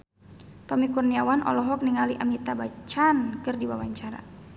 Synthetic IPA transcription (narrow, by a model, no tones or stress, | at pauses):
t̪ɔmikurniawanʔɔ̰lɔɦɔk̚niŋaliʔamit̪abat͡ʃankɨrdiwawaɲt͡ʃaɾa̰